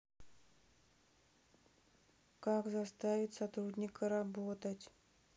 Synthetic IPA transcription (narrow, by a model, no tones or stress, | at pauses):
kakzɐst̪avʲɪt̪sɐt̪ɾudʲnʲɪkəɾɐbot̪ətʲ